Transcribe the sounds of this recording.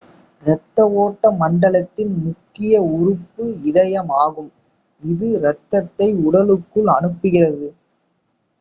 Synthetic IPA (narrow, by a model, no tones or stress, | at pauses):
ɾɛt̪ːɐʋoːʈːɐmɐɳɖɐɭɐt̪ːɪnmʊkːɪjɐʊrʊpːɯɪðɐjɐmaːɣɯm | ɪðɯɾɛt̪ːɐt̪ːɐɪʊɽɐlɯkːɯɭɐnɯpːɯɣɪrɐðɯ